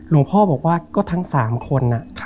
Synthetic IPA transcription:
lo˨˩˦pʰɔː˥˩bɔː˨˩k̚waː˥˩kɔː˥˩t̪ʰa˦˥ŋsaː˩˦mkʰo˧nːa˧˩

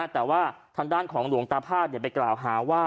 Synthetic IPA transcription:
t̪ɛː˨˩waː˥˩t̪ʰaː˧ŋdaː˥˩nkʰɔː˩˦ŋlu˨˩˦əŋt̪aː˧pʰaː˥˩t̪̚ni˧˨˩pa˧jklaː˨˩wɦaː˩˦waː˥˩

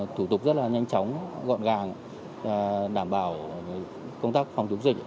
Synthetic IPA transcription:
t̪ʰu˧˩t̪ʊ˨˩k͡p̚zə˦˥t̚laː˨˩ɲa˧jŋ̟t͡ɕɔ˨˦wŋ͡mɣɔ̰˧˨nɣaː˨˩ŋ˧˨ | a˨˩ɗaː˧˩mɓaː˧˩w | kə˧ŋ͡mt̪aː˦˥k̚fa˧wŋ͡mt͡ɕʊ˨˦ŋ͡mzi˨˩k̚

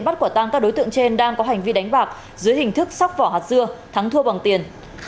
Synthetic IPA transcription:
nɓa˦˥t̚ku˧˩ət̪aː˧ŋkaː˦˥k̚ɗo˨˦jt̪ɨ̰˧˨əŋt͡ɕe˧nɗaː˧ŋkɔ˨˦ɦa˨˩jŋ̟vi˧ɗa˨˦jŋ̟ɓaː˨˩k̚ | zɨ˨˦jhï˨˩ŋ̟t̪ʰɨ˦˥k̚sa˦˥wk͡p̚vɔ̰˧˩ɦaː˨˩t̚zɨ˧ət̪ʰa˨˦ŋt̪ʰu˧əɓə˨˩ŋt̪i˨˩ən

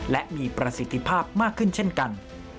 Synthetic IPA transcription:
lɛ˦˥ʔmiː˧pɾa˧si˨˦t̪ʰːi˦˥pʰaː˥˩p̚maː˥˩kʰːɯ˥˩nt͡ɕʰe˥˩nka˧n

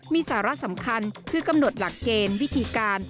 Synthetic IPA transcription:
miː˧saː˩˦ɾa˦˥ʔsa˩˦mkʰa˧nkʰɯː˧ka˧mno˨˩t̪̚la˨˩kːeː˧nwi˦˥t̪ʰiː˧kaː˧n

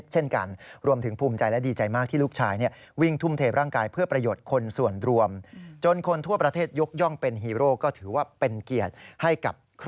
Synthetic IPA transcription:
t̪̚t͡ɕʰe˥˩nka̰˧nɾu˧əmt̪ʰɯ˩˦ŋpʰuː˧mt͡ɕa˧jlɛ˦˥diː˧t͡ɕa˧jmaː˥˩k̪̚ʰiː˥˩luː˥˩k̚t͡ɕʰaː˧jni˥˩ɐ | wi˥˩ŋt̪ʰu˥˩mt̪ʰeː˧˩ɾʔaː˥˩ŋkaː˧jpʰɯ˥˩ɐpɾa˧joː˨˩t̪̚kʰo˧nsu˨˩ənɾu˧əmt͡ɕo˧nkʰo˧nt̪ʰu˥˩ɐpɾa˧t̪ʰeː˥˩t̪̚jo˦˥k̚jɔ˥˩ŋpe˧nɦiː˧ɾoː˥˩kɔː˥˩t̪ʰɯː˩˦waː˥˩pe˧nki˨˩ət̪̚ha˥˩jka̰˨˩p̚kʰ

